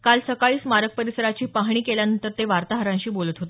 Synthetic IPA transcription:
kalsəkaɭiːsmaɾək̚pəɾisəɾat͡ɕiːpaɦɳ̃iːkeljanənt̪əɾt̪eʋaɾt̪aɦəɾãɕiːbolət̪ɦot̪

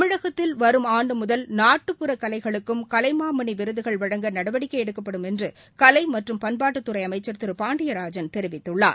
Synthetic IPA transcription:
mɪɻɐɣɐt̪ːɪlʋɐɾɯmaːɳɖɯmʊðɐlnaːʈːɯpːɯɾɐkːɐlɐɪɣɐɭɯkːɯmkɐlɐɪmaːmɐɳiʋɪɾɯðɯɣɐɭʋɐɽɐŋɡɐnɐɽɐʋɐɽɪkːɐɪɛɽɯkːɐpːɐɽɯmɛndrɯ | kɐlɐɪmɐʈrɯmpɐnbaːʈːɯt̪ːɯɾɐɪɐmɐɪt͡ʃːɐɾt̪ɯɾɯpaːɳɖɪjɐɾaːd͡ʒɐnt̪ɛɾɪʋɪt̪ːɯɭːaː

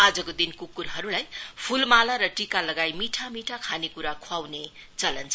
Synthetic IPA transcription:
ad͡zʌkod̪inkukuɾɦʌɾulajpʰulmalaɾʌʈikalʌɡajmiʈʰamiʈʰakʰanekuɾakʰwawne | t͡sʌlʌnt͡sʰ

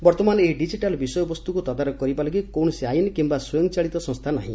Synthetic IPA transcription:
bɔɾt̪ɔmaneɖid͡ʒiʈalbisɔjɔbɔst̪ukut̪ɔd̪aɾɔkɔɾibalɔɡikowɳɔsiajinikimbasɔjɔŋɔt͡ʃaɭit̪ɔsɔ̃st̪ʰanaɦḭ̃

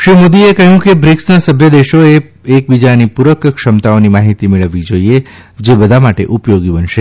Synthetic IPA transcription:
ʃɾimod̪iekəɦjũkebɾiksnasəbʱjəd̪eʃoeek̚bid͡ʒanipuɾəkkʃəmt̪aonimaɦit̪imeɭəʋːid͡ʒoie | d͡ʒebəd̪ʱamaʈḛʔupjoɡibənʃe

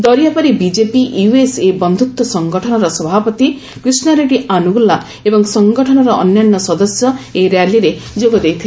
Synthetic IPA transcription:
d̪ɔɾijapaɾibid͡ʒepiʔjuesebɔnd̪ʱut̪wɔsɔŋɡɔʈʰɔnɔɾɔsɔbʱapɔt̪i | kɾisnɔɾeʈianuɡula | ebɔŋsɔŋɡɔʈʰɔnɔɾɔʔɔnjanːɔsɔd̪ɔsjɔeɾjaliɾed͡ʒoɡɔd̪ejt̪ʰi

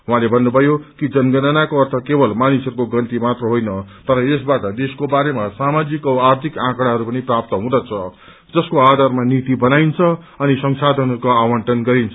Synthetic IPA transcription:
ɦũãlebʱʌnːubʱʌjokid͡zʌnɡʌnanakoʌrt̪ʰʌkebʌlmanisʌɾukoɡʌnt̪imat̪rʌɦojnʌt̪ʌɾʌesbaʈʌd̪eskobaɾemasamad͡zikʌart̪ʰikãkɽ̃aɦʌɾupʌniprap̚t̪ʌɦũd̪ʌt͡sʰʌ | d͡zʌskoad̪ʱarmanit̪ibʌnajnt͡sʰʌ | ʌnisʌŋsad̪ʱʌnɦʌrɾukoawʌɳʈʌnɡʌɾint͡sʰʌ

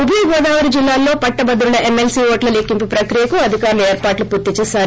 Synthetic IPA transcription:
ubʱiɡɔːd̪aːʋɐɾid͡ʒilːaːlːo̞ːpɐʈːɐbɐd̪ɾulɐʔemːelsiːoːʈlɐlekːimpipɾɐkɾijɐkuɐd̪ʱikaːɾulɐeːɾpaːʈlupuɾt̪ːit͡ʃɛːsaːɾ

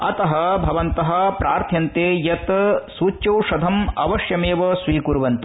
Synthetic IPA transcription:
ɐt̪ɐɦɐbʱɐʋɐnt̪ɐɦɐ̆pɾʔaːɾt̪ʰjɐnt̪eːjɐt̪suːt͡ʃːɐwʂɐd̪ʱɐmɐʋɐʂjɐmeːʋɐsʋiːkuɾʋɐnt̪u

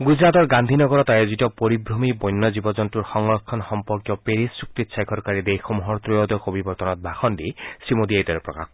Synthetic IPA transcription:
ɡuzɾat̪ɔɹɡand̪ʱinɔɡɔɾɔt̪ajozitɔpoɾibɾomibɔjnːɔzibɔzɔntuɹxɔŋɹɔkʰːɔnxɔmpɔɹkjɔpeɾisuk̚t̪it̪sʰajkʰɔɾkaɹid̪ejxomuɦɔɹt̪ɾɔjɔd̪ɔxobibɔɾt̪ɔnɔt̪̚bʱaxɔndisimod̪iajt̪ɔɾɛpɹɔ̰ka̰x

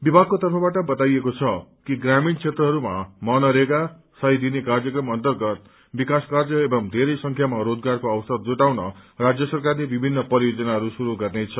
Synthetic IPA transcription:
bibʱaɡ̚kot̪ʌrpʰʌbaʈʌbʌt̪ajekot͡sʰʌkiɡramint͡sʰet̪rʌɦʌɾuma̰mʌnʌɾeka | sʌjd̪inekard͡zʌkrʌmʌnt̪ʌrɡʌt̪̚ | bikaskard͡zʌebʌŋd̪ʱeɾʌjsʌŋkʰjamaɾod͡zɡarkoʌwʌsʌd̪̚d͡zoʈawnʌrad͡zjʌsʌrkarlebibʱinːʌpʌɾijod͡zʌnaɦʌɾusuɾuɡʌrnet͡sʰʌ

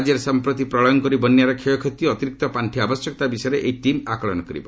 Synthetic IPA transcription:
d͡ʒeɾsampɾɔt̪ipɾɔɭɔjɔnkɔɾibɔnjaɾɔkʰijɔkʰɔt̪ːiɔt̪iɾik̚t̪ɔpaɳʈʰiabɔsjɔkt̪abisɔjeɾeʔejʈimakɔɭɔnɔkɔɾḭbɔ

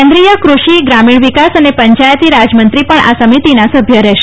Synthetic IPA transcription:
ɛ̃nd̪ɾijəkɾuʃiɡɾamiɭʋikasənepəɲt͡ʃajt̪iɾad͡ʒmənt̪ɾipəɳʔa̰səmit̪inasəbʱjəɾɛʃe

